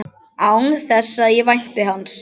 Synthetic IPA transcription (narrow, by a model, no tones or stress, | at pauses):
awŋθɛsːaðjɛvajn̥t̪ɪɦanːs